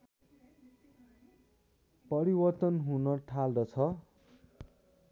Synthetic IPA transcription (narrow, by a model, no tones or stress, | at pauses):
pʌɾibʌrt̪ʌnɦunʌʈʰald̪ʌt͡sʰʌ